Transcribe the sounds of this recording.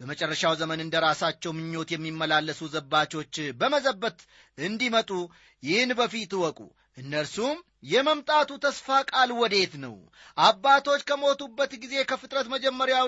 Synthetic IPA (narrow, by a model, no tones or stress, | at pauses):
bəmət͡ʃʼɛrːəʃawzəmənɨnd̪əɾasat͡ʃːɛwmɨɲːo̞t̪jɛmːimːəlalːəsuzəbːat͡ʃo̞t͡ʃːbəməzəbːət̪ | ɨnd̪imət̪ʼu | jɪhnbəfit̪wɔkʼṵ | ʔɨnːəlsum | jɛməmt̪ʼat̪ut̪ʰəsfakʼalwɔd̪e̞t̪nə̰w | ʔabːat̪ʰo̞t͡ʃːkʰəmo̞t̪ubːət̪ɡize̞kʰəfɨt̪ʼɾət̪məd͡ʒɛmːəɾja